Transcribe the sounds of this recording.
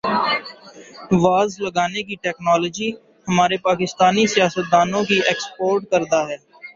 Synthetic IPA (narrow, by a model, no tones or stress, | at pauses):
ʋaːzləɡaːnekiʈɛːknɔːlɔːd͡ʒi | həmaːɾepaːkɪst̪aːnisijaːsət̪̚d̪aːnõkieːkspoːɾʈ̚kəɾd̪aːɦɛː